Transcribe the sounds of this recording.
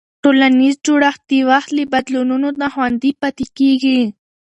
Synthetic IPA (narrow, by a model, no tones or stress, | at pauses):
ʈolanizd͡ʒoɽaxt̪̚d̪iwaxt̪libad̪lununod̪axwand̪ipat̪ekeɡi